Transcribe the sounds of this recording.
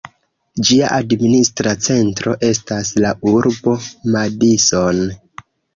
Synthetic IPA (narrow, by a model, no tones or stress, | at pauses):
d͡ʒiaʔadministɾat͡se̞ntɾo̞ʔe̞staslaʔuɾbo̞madiso̞n